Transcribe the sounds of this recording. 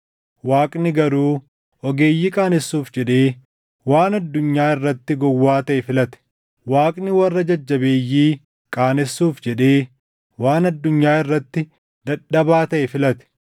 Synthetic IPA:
waːkʼnɪɡɐɾuː | ɔɡe̞ːjːikʼaːnɛsːuːfd͡ʒɛᶑeː | waːnɐd̪ːʊɲːaːɪrːɐt̪ːɪɡɔwːaːt̪ɐʔɛfɪlɐt̪ɛ̥ | waːkʼnɪwɐrːɐd͡ʒɐd͡ʒːɐbeːjːiː | kʼaːnɛsːuːfd͡ʒɛᶑeː | waːnɐd̪ːʊɲːaːɪrːɐt̪ːɪ | d̪ɐᶑɐbaːt̪ɐʔɛfɪlɐt̪ɛ̥

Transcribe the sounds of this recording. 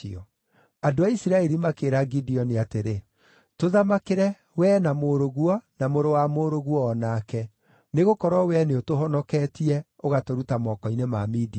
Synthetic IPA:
iɔ | adoaisiɾaɛɾimakeːɾaɡidiɔniateɾe | toðamakeɾɛ | wɛːnamoːɾoɣwɔnamoɾowamoɾoɣwɔːnakɛ | neɣokɔɾɔwɛneotoɦɔnɔkɛːtiɛ | oɣatoɾutamɔkɔinemamiːdi

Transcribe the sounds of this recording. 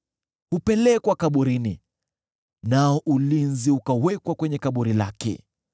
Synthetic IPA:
hupɛlɛkwakaɓuɾini | naɔʔulinziukawɛkwakwɛɲɛkaɓuɾila̰kɛ̰

